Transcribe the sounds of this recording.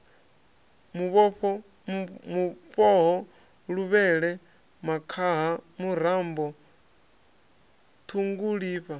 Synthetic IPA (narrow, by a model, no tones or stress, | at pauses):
muβɔɸɔ | mufɔɦɔ | ɺuβɛɺɛ | makʰaɦamuɾ̤ambɔ | t̪ʰuŋɡuɺiːɸa